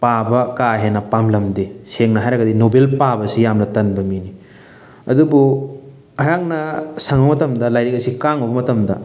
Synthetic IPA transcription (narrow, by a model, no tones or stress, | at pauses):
pabɐkaɦenɐpamlɐmdeseŋnɐɦajɾɐɡɐdinobelpabɐsijamnɐtɐnbɐmini | ɐ̰dubu | ɐjaŋnɐsɐŋbɐmɐtɐmdɐlajɾek̚ɐsikaŋɐbɐmɐtɐmdɐ̰